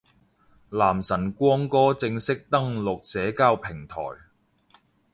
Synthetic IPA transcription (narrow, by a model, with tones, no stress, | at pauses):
laː˨˩msɐ˨˩nkʷɔː˥ŋkɔː˥t͡sɪ˧ŋsɪ˥k̚t̪ɐ˥ŋlʊ˨k̚sɛː˨˥kaː˧˥wpʰɪ˨˩ŋt̪ʰɔ̰ː˨˩j